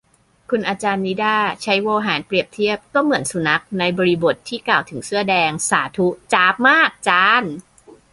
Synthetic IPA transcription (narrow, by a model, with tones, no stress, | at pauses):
kʰu˧nʔaː˧t͡ɕaː˧nːi˦˥daː˥˩t͡ɕʰa˦˥jwoː˧ɦaː˩˦npɾi˨˩əp̚t̪ʰi˥˩əp̚kɔː˥˩mɯ˩˦ənsu˨˩˦na˦˥k̚na˧jbɔː˧ɾi˧bo˨˩t̪ʰːiː˥˩kaː˨˩wt̪ʰɯ˩˦ŋsɯ˥˩ɐədɛː˧ŋsaː˩˦t̪ʰu˦˥t͡ɕaː˦˥p̚maː˥˩k̚t͡ɕaː˦˥n